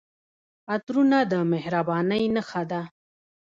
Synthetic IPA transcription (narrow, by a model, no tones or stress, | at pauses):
at̪ɾunad̪əmehɾabɑnəjnəxad̪a